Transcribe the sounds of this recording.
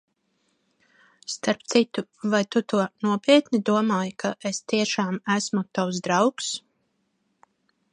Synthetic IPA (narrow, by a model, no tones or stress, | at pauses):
st̪aɾpt̪sit̪uvajt̪ut̪uɔnuɔpʲiɛt̪nid̪uɔmaːjkʰaʔest̪iɛʃaːmæsmut̪awsd̪ɾawks